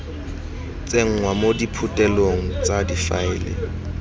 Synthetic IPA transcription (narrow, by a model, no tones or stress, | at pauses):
t͡sʼeŋ̩ŋwamodipʰʊtʼɛloŋ̩t͡sʼadifa̰ɪːlɪ̰